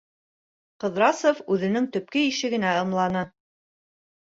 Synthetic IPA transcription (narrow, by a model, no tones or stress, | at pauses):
qɤ̆ðɾɑsofʉðɘ̆nɘŋt̪ɵ̆p̚kɘiʃɘ̆ɡɘ̆næɤ̆mlˠɑnɤ